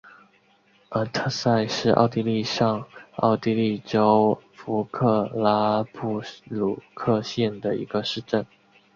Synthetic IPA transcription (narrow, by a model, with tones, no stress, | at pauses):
ə˧˥˩t̪ʰə˥˧sa˥˧ɪʂɻ̩˥˧ʔɑ̰˥˧ʊt̪i˥˧li˥˧ʂɑ˥˧ŋɑ̰˥˩ʊt̪i˥˧li˥˩ʈ͡ʂo˥ʊfu˧˥kʰɤ˥˩la˥pʰu˥˩lu˨˩kʰɤ˥˧ɕjɛ˥˩nd̪ə˩ḭ˧˥ɡə˧ʂɻ̩˥˧ʈ͡ʂə˥˩n